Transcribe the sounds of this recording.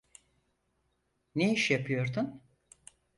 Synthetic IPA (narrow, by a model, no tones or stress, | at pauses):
neiʃjapʰɯjo̞ɾd̪un